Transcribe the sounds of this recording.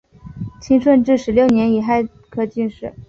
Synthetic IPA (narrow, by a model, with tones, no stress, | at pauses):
t͡ɕʰi˥ŋʂwə˥˧nʈ͡ʂɻ̩˥˩ʂɻ̩˧˥ljo˥˩ʊnjɛ˧˥ni˨˩xa˥˧ɪ | kʰɤ˥˧t͡ɕy˥˧nʂɻ̩˥˩